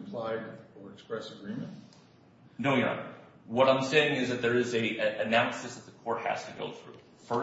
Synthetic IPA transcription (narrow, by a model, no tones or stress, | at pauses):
mpʰl̥aɪɾə˞ɨkspɹɛsəɡɹĩmɨ̃nt̚ | noʊjæ̰ | wʌɾãɪ̃mseɪɪ̃ŋɨzðɨt̪̚ðə˞ɨzɨɨɨnãʊ̃nsðɨsðət̪̚ðəkʰɔɹt̚hæ̰z̥tʰɨɡo̰ʊθɹʉ̰ | fə